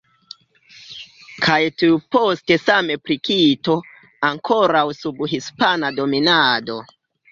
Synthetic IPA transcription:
kʰajtiupo̞ste̞same̞pɾikito̞ | aŋkʰo̞ɾawsubɦispanado̞minado̞

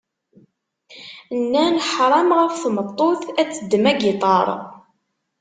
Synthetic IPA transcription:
nːænħɾˤɑmʁæfθmət̪ˤːoθæt͡sːəd̪ːmæɡit̪ˤɑɾˤ

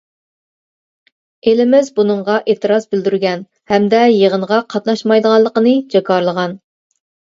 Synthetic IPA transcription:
elɪmɪzbunəɴʁɑʔeːt̪ɨɾɑzbɪld̪yɾɡʲɛn | hɛmd̪ɛjeʁənʁɑqʰɑt̪̚nɑʃmɑjd̪əʁɑllˠːəqənɨd͡ʒɑkʰɑɾlˠəʁɑn

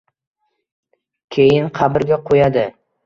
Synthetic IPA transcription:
kʲʰejɪnqʰɑbɪɾɡʲaqʰojad̪ɪ

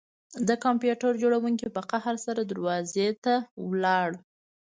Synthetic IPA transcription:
d̪əkɑmpjuʈaɾd͡ʒoɽawuŋkipəqahaɾsaɾad̪əɾwɑzet̪awlɑɽ

